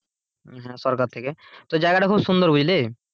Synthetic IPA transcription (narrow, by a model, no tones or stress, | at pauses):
ɦɛ̃sɔɾkaɾt̪ʰeket̪od͡ʑaeɡaʈakʰubsund̪oɾbud͡ʑle